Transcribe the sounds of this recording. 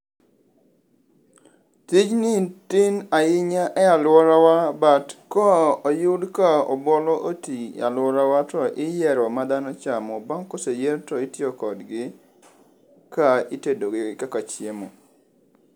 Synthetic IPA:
tid͡ʒnɪtinaɪɲaʔɛalwɔɾawabatkɔɔjʊdkaɔ̰bɔlɔʔotija̰lwɔɾawatɔʔɪjɛɾɔmad̪anɔt͡ʃamɔbaŋkosejeɾtɔitjɔkɔdɡɪ | kaitedoɡɪkakat͡ʃjemo

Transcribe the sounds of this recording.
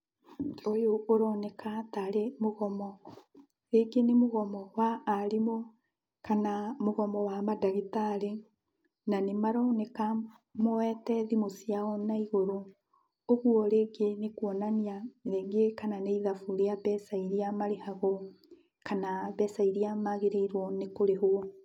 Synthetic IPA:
ojoʔːɾɔnɛkʰataɾemoɣɔmɔ | ɾeɡenemoɣɔmɔwaːɾemo | kanamoɣɔmɔwamadaɣitaɾe | nanemaɾɔnɛka | mowɛtɛðimosiaɔnaiɣoɾo | oɣuɔɾeːɡenekwɔnaniaɾeːŋɡekananeiðafuɾeaβɛsaiɾiamaɾehaɣo | kanaβɛsaiɾiamaɣeɾeiɾwɔnekoɾehoɔ

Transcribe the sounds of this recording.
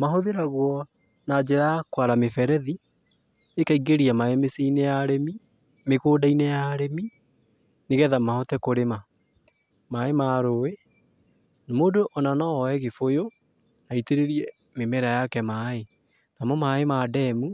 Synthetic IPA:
maɦoðeɾaɣwɔ | nad͡ʑeɾajakwaɾamefɛɾɛði | ekaiɡeɾiamaemeseinɛjaɾemi | mekoːdainɛjaːɾemi | neɣɛðamahɔtɛkoɾema | maemaːɾoe | namoːdoʔɔnanɔɔɛɣefojo | naiteɾeɾiɛ | memɛɾajakɛmae | namɔmaemadɛmu

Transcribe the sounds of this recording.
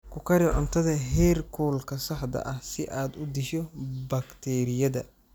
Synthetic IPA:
kʰʊkʰɐɾɪʕʊnt̪ʰɐðɐɦɛːrkʰɔːlkʰɐsɐħd̪ɐ̰ʔɐhsɪʔaːd̪ʊd̪ɪʃɔbɐkt̪ʰɛːɾɪjɐðɐ

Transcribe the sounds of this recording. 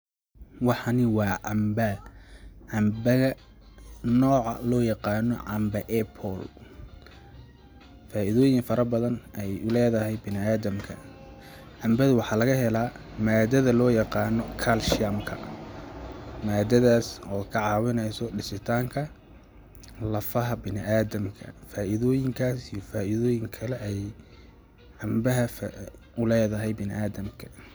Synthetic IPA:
wɑħɑnɪwɑːʔɑmbɐ | ʕɑmbɐɣɐ | nɔːʕɑ̰lɔːjɑqɑːnɔʕɑmbɐʔɛpʰɔl | faːʔɪðɔːjɪŋfɐɾɐbɐðɐnɛjʊlɛːðɐɦɛjbɪnɪaːðɐmkʰɐ̰ | ʕɑmbɐðʊwɑħɑːlɐɣɐɦɛlaːmaːd̪ɐðɐlɔːjɑqɑːnɔkʰalʃɪɐmkʰɐ | maːd̪ɐðaːsɔːkʰɐʕɑːwɪnɛjsɔɖɪsɪt̪ʰaːŋkʰɐ | lɐfɐɦɐbɪnɪʔaːðɐmkʰɐ̰faːʔɪðɔːjɪŋkʰaːsijɔfaːʔɪðɔːjɪŋkʰɐlɛʔɛj | ʕɑmbɐɦɐ | ʊlɛːðɐɦɛjbɪnɪʔaːðɐmkʰɐ̥

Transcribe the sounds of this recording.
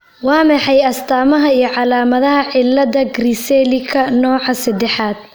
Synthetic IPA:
wɑːmɛħɑjɐst̪ʰaːmɐɦɐijɞʕɑlaːmɐðɐɦɐʕɪlːɐðɐɡrisɛlɪkʰɐnɔːʕɑsɐd̪ɛħaːd̪̥̚

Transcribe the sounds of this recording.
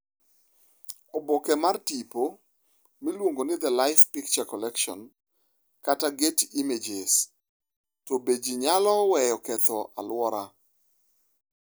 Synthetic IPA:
ɔbɔkɛmartipo | milwoŋɡonɪd̪əlaɪfpikt͡ʃakɔlɛkʃɔ̰n | kataɡetimed͡ʒɪs | tɔbed͡ʒiɲalɔwɛjɔkɛt̪ɔʔa̰lwɔɾa

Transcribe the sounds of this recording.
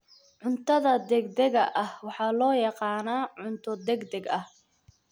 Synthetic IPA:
ʕʊnt̪ʰɐðɐd̪ɛɡd̪ɛɣɐʔɐhwɑħɑːlɔːjɑqɑːnaːʕʊnt̪ʰɔd̪ɛɡd̪ɛɡɐh

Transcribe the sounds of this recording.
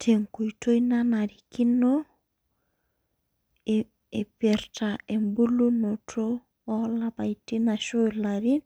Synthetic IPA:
tʰeŋkutojnanaɾikino | epeɾtaembulunotʰo | ɔlabajtinaʃolaɾin

